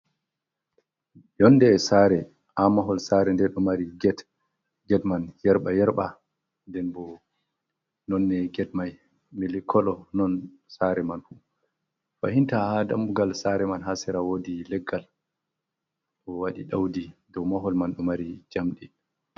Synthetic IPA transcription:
jɔnːdɛːsaɾɛ | ʔamaɦɔlsaɾɛndɛɗɔmaɾiɡɛt | ɡɛtmanjɛɾɓajɛɾɓa | ndɛnbɔ | nɔnːɛɡɛt̚maj | milikʰːɔlɔnɔn | saɾɛmanfu | fahintahada̰mbuɡalsaɾɛmanɦasɛɾawodilɛɡːal | ɗɔwaɗiɗawdidɔwmaɦɔlmanɗɔmaɾid͡ʒamɗi

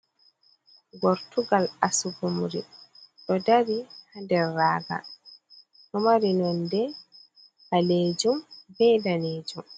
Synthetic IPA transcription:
ɡɔɾtuɡalasuɡumɾiɗɔdaɾihandɛrːaːɡa̰ | hɔmaɾinɔndɛ | haleːd͡ʒumbɛːdaneːd͡ʒum

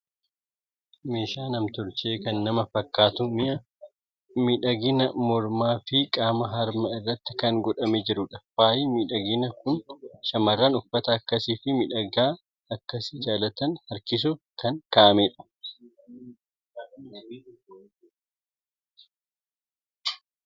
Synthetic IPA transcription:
meːʃaːnɐmt̪ʊɾt͡ʃeːkɐnːɐmɐfɐkːaːt̪ʊmɪʔɐ | miᶑɐɡɪnɐmɔɾmaːfɪkʼaːmɐɦɐɾmɐɪrːɐt̪ːɪ̥kɐŋɡɔᶑɐmed͡ʒɪɾʊᶑɐfwaːʔiːmiːᶑɐɡɪnɐkʊnʃɐmɐrːaːnʊfːɐt̪ɐːkːɐsiːfɪmɪᶑɐɡaː | ɐkːɐsɪd͡ʒaːlɐt̪ɐnhɐɾkɪs̬ʊkɐŋkaːʔɐmeːᶑɐ̥

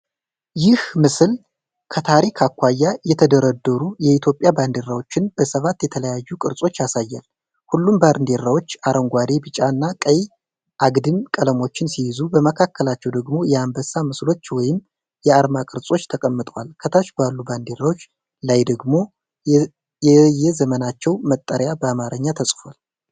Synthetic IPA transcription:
jɪhmɨsɨl | kʰət̪ʰaɾikʰakʷːajːajɛt̪ʰəd̪əɾəd̪ːəɾujɛit̪ʰjo̞pʼjaband̪eɾawo̞t͡ʃːɪnbəsəβat̪jɛt̪ʰələjajːukʼɨɾsʼo̞t͡ʃːjasajːal | hulːumbaɾnd̪e̞ɾawo̞t͡ʃːaɾʔəŋɡʷad̪e̞bɨt͡ʃʼanːakʼəj | ʔaɡd̪ɨmkʼələmo̞t͡ʃːɪnsijɪzubəməkʰakʰːəlat͡ʃːɛwd̪əɡmo̞jɛambəsːamɨslo̞t͡ʃːwɔjɪm | jɛaɾmakʼɨɾsʼo̞t͡ʃːt̪ʰəkʼəmːɨt̪ʼəwalkʰət̪ʰaʃbalːuband̪e̞ɾawo̞t͡ʃː | lajd̪əɡmo̞ | ɛjɛzəmənat͡ʃːɛwmət̪ʼːəɾjabəamaɾəɲːat̪ʰəsʼfal

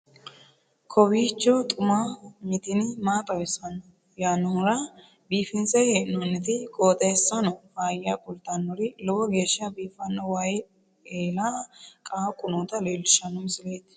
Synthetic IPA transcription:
kʰɔwiːt͡ʃːɔt̪ʼʊmamɪt̪ɪnɪmaːt̪ʼɐwɛsɐnɔ | jaːnːɔhʊɾɐ | biːfɪnsɛheːʔɪnɔnːɛt̪ɪkʼoːt̪ʼɐjɛsːɐnɔfaːjakʼʊlt̪anːɔɾɪlɔwɔɡeːʃːɐbiːfɐnːɔwaj | eːlaːkʼaːkʼʊnɔːt̪ɐleːlːɪʃɐnɔmsɪleːt̪

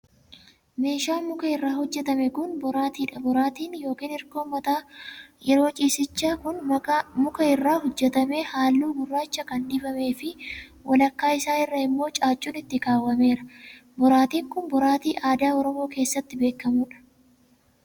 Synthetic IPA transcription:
me̞ːʃaːmʊkɐɪrːaːhɔd͡ʒːɛt̪ɐmɛkʊnbɔɾaːt̪iːᶑɐbɔɾaːt̪iːnjo̞ːkiːnɪɾkoːmɐt̪aːjɛɾo̞ːt͡ʃʼiːsɪt͡ʃːaːkʊnmɐkɐmʊkɐɪrːaːhɔd͡ʒːɛt̪ɐmeːhaːlːuːbʊrːaːt͡ʃːɐkɐnd̪ɪfɐme̞ːfɪwʔɐlɐkːaːɪsaːɪrːɐɪmːo̞ːt͡ʃʼaːt͡ʃʼːuːnɪt̪ːɪkaːwːɐme̞ːɾɐbɔɾaːt̪iːŋkʊnbɔɾaːt̪iːʔaːd̪aːɔɾɔmo̞ːke̞ːsːɐt̪ːɪbe̞ːkːɐmʊᶑɐ̥

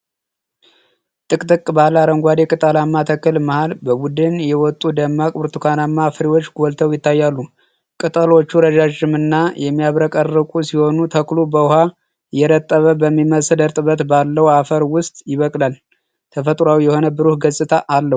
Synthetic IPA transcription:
t̪ʼɨkʼt̪ʼɨkʼbalaɾəŋɡʷad̪ekʼɨt̪ʼəlamːat̪ʰəkːɨlməhalbəbud̪ɨnjɛwɔt̪ʼːud̪əmːakʼβɨɾt̪ʰukʰanamːafɨɾiwo̞t͡ʃːɡolt̪ʰəwjɪt̪ʰːajːalːu | kʼɨt̪ʼəlo̞t͡ʃːuɾəd͡ʒad͡ʒɪmɨnːajɛmːijaβɾəkʼərːɨkʼusiho̞nut̪ʰəklubəha | jɛɾət̪ʼːəβəbəmːiməsədəɾt̪ʼɨβət̪balːəwafəɾwʊst̪ʼjɪβəkʼlal | t̪ʰəfət̪ʼɾawjɛho̞nəbɨɾuhɡəsʼɨt̪ʰaʔalːəh

